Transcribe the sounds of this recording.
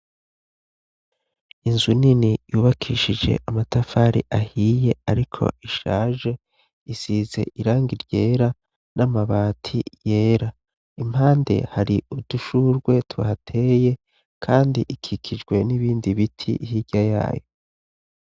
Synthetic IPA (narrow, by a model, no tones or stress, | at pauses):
inzuninijuːβakʰḭːʃid͡ʒe̞̰ʔamatafaːɾḭʔahiːje̞aɾikʰo̞̰ʔiʃa̰ːʒe̞ | isiːze̞̰ʔiɾaːŋɡiɾɟe̞ːɾa | namaβaːtʰḭje̞ːɾa | im̥haːnde̞̰haɾiuduʃuɾɡwe̞tuβa̰hatʰe̞je̞ | kʰaːndiʔikʰikʰid͡ʒɡwe̞niβiːndiβitʰḭʔhiɟaja̰ːjo̞